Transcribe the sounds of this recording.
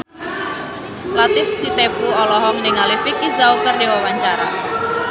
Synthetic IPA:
lat̪ɪfsit̪epuɔlɔɦɔŋnɪŋalifikizaukərdewawaɲt͡ʃaɾa̰

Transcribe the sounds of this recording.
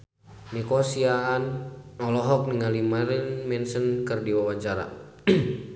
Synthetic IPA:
nikɔsiaːnɔlɔɦɔk̚niŋalimaɾinmɛnsənkərdiwawaɲt͡ʃaɾa̰

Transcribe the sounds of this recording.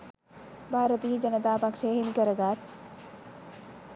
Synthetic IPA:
bʱaːɾət̪iːd͡ʒɐnɐt̪aːpɐkʂeːɦemikɐɾɐɡaːt̪̚

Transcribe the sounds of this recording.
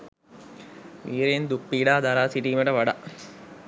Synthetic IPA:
ʋiːɾend̪upːiːɖaːd̪aɾaːsiʈiːməʈəʋaɖa

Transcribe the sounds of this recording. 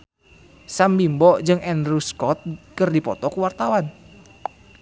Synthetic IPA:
sambimbɔʔd͡ʒɨŋɛndɾuskɔt̪̚kərdipɔt̪ɔkuwart̪awan

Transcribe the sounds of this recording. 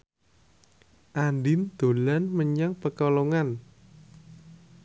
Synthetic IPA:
ʔandɪnd̪̥o̤lanməɲaŋpəkɔloŋan

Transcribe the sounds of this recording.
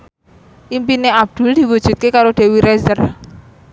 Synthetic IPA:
ʔimpineab̚d̪̥ʊ̤ld̪̥i̤wud̥ʒ̥ṳt̪̚kekaɾoɖ̪̥e̤wiɾezər

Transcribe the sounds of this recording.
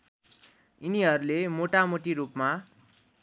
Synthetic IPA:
iniɦʌɾulemoʈamoʈiɾupma

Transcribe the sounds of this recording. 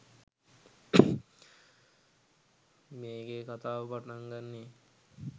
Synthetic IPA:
meːɡekat̪aːbaʈnaŋɡanːe

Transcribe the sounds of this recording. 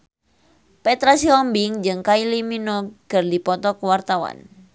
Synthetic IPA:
pɛt̪ɾasiɔmbiŋd͡ʒɨŋkailiminɔkɨrdipɔt̪ɔkuwart̪awa̰n

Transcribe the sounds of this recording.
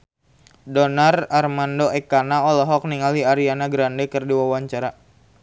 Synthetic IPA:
dɔnararmandoʔɛkanaɔlɔɦɔk̚niŋaliaɾianaɡɾandɛkɨrdiwawaɲt͡ʃaɾa

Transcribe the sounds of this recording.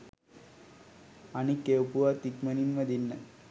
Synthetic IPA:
ɐnikːewpuʋat̪ikmɐninʋɐd̪inːɐ

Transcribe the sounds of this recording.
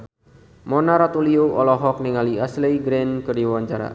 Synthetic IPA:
mɔnaɾat̪ulioʔɔlɔɦɔk̚niŋaliasleiɡɾenkərdiwaɲt͡ʃaɾa̰

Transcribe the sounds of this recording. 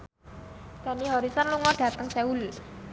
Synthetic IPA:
d̪̥a̤niɦɔɾisɔnluŋɔɖ̥ä̤t̪əŋseul

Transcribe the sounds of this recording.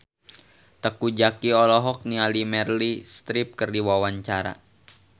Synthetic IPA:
t̪əkud͡ʒakiɔlɔɦɔk̚nialimɛrlist̪ɾip̚kərdiwawaɲt͡ʃaɾa̰

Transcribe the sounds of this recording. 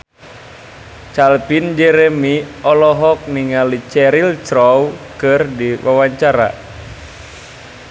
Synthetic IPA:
t͡ʃalpind͡ʒɛɾɛmiɔlɔɦɔk̚niŋalit͡ʃɛɾiltɾɔwkɨrdiwawaɲt͡ʃaɾa̰

